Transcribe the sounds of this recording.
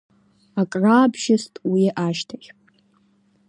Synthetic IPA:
akʼraːbʒastʼwiʔaʃtʰaχʲʼ

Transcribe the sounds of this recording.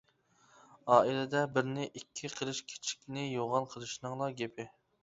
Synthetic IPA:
ɑːilɪd̪ɛbɪɾnɪʔikʲʰːiqʰəlˠɨʃkʲʰe̥t͡ʃʰi̥k̚ʲnɪjoʁɑnqʰəlˠɨʃnɨŋlˠɑɡʲepʰɪ

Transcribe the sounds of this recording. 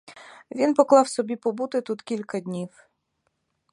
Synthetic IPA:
ʋʲinpɔklˠɑwsɔbʲipɔbut̪ɪt̪ut̪kʲilʲkɐd̪ʲnʲiw

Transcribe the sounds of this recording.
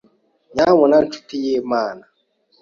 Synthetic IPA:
ɲamɔnan̩t͡ʃu̥tijemaːna

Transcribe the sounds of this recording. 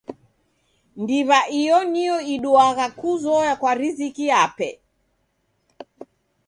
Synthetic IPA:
ndiβaʔijɔniɔiɗuaɣakuzɔjakwaɾizikiapɛ̰

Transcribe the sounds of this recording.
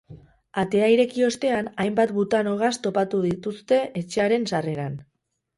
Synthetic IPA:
at̪e̞aiɾe̞kio̞st̪e̞anajmbat̪but̪ano̞ɣ̞ast̪o̞pat̪uðit̪ust̪e̞ʔet͡ʃe̞aɾe̞nsare̞ɾan

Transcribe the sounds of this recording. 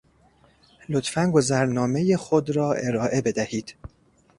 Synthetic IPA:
lo̞t̪fænɡo̞zæɾnɒːme̞je̞xod̪ɾɒːʔe̞ɾɒːʔe̞be̞d̪æhiːd̪̥

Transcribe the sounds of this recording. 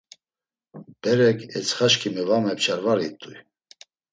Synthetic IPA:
b̥ɛɾɛkʰɛt͡sʰχaʃkʰimɛvamɛpt͡ʃʰaɾvaɾit̪ʼːuj

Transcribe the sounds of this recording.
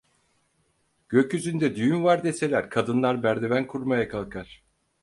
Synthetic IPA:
ɟ̥ø̞cyzynd̪ɛd̪yjymvaɾd̪ese̞lʲæɾkʰad̪ɯnlˠaɾbæɾd̪e̞vænkʰuɾmajakʰalˠkʰaɾ̥

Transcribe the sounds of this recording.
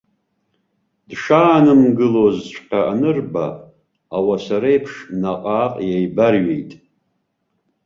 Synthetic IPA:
d̥ʂaːnɨmɡɨlozt͡ʃʷʰʼqʲaanɨrba̰ | awasaɾajpʰʂnaqʼaːqʼjejbarɥḛjtʼ

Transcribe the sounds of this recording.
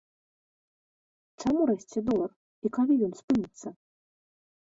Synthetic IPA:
t͡ʂamuɾɛsʲt͡sʲɛd̪ɔlˠɐr | ikalʲijɔnspɨnʲit̪sːɐ

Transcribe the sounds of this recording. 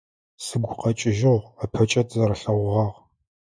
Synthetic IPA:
sɨɡʷqɐt͡ʃʼɪʒɪʁapʰɐt͡ʃʼɐtʰʼzɐɾɐɬɐʁʷʁɑːʁ

